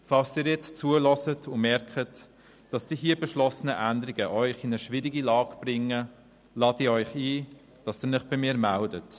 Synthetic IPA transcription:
fɑlsiːɾjɛt͡st͡suəlɔsətʰʊnmɛɾkχət | d̥ɑsd̥iːɦiəbɛʃlɔsənəʔændəɾiɡəʔœʏχɪnəʃʋɪɾiɡilɑːɡb̥rɪŋə | lɑːtiːɾœʏχiː | d̥ɑsiːɾnɪχb̥ɪmɪːɾmældət

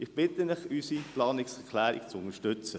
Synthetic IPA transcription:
ɪχb̥ɪt̪ənɪχysiplɑːnɪksɛkʰlæːɾḭkt͡sʊnəʃtʏt͡sə

